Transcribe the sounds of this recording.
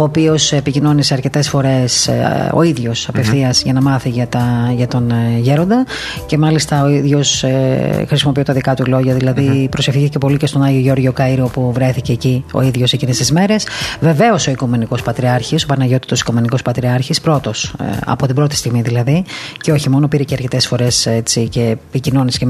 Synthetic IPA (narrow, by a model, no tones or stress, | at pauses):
oːpio̞sepicino̞niseɐɾce̞t̪e̞sfo̞ɾe̞so̞̰iðʝo̞sɐpefθiɐzʝɐnɐmɐθiʝɐt̪ɐʝɐt̪o̞nʝe̞ɾo̞nd̪ɐ | ce̞mɐlist̪ɐoiðʝo̞s | xɾisimo̞pio̞t̪ɐðikɐt̪ulo̞ʝɐðilɐðipɾo̞se̞fθiicepo̞licest̪o̞nɐʝioʝo̞ɾʝo̞kɐiɾiopuvɾe̞θice̞ːcio̞̰iðʝo̞secinesizme̞ɾe̞sve̞ve̞o̞so̞ikume̞niko̞spɐt̪ɾiɐɾçiso̞pɐnɐʝo̞t̪i̥t̪osi̥kume̞niko̞spɐt̪ɾiɐɾçispɾo̞t̪o̞sɐ̰po̞t̪imbɾo̞t̪ist̪iɣmiðilɐðiceo̞çimo̞no̞piɾeceɐɾce̞t̪e̞sfo̞ɾe̞set͡sice̞picino̞nisce